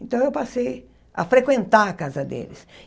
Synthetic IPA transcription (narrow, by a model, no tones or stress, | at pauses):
ẽnt̪ɐ̃w̃ewpasej | ɐ̰fɾekwẽnt̪aɾɐkazɐd̪ḛlɪs